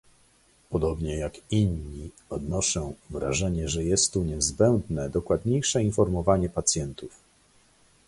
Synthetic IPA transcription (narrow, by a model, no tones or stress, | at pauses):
pɔd̪ɔbɲɛjakiɲːi | ɔd̪nɔʂɔ̃w̃vɾa̰ʐɛɲɛʐɛjɛst̪ːuɲɛzbɛnd̪nɛd̪ɔkwad̪ɲejʂɛinfɔɾmɔvaɲɛpat̪sʲjɛnt̪uf